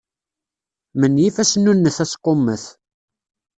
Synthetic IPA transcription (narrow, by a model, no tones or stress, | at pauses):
mənjifæsənːunːəθæsqomːəθ